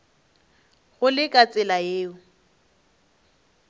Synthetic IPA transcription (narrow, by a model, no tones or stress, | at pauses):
ɣʊlɪkʼat͡sʼɪlajeːʊ